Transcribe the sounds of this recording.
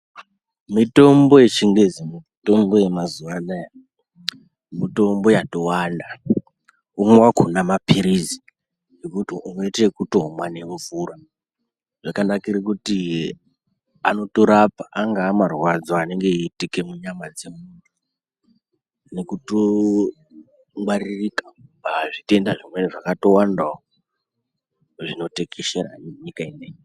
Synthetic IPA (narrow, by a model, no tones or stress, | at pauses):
mito̞mbo̞je̞t͡ʃiŋɡezimito̞mbo̞je̞mazuʋanaja | mito̞mbo̞jato̞wanda | umwakʰunamapiɾizi | nekutiuneite̞kuto̞mwane̞ɱvuɾa | ʐakandakiɾekuti | ano̞toɾapaʔːŋɡaːmarwad͡zoane̞ŋɡe̞iːtike̞muɲamad͡ze̞mundu | nekuto | ŋɡwaririkapaʐite̞ndaʐimweniʐakato̞wandao | ʐino̞tekeʃeɾa̰neɲikaineji